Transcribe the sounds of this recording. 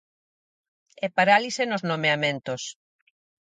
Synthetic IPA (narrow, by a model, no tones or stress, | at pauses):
ɛpaɾalisenoznomeamẽnt̪os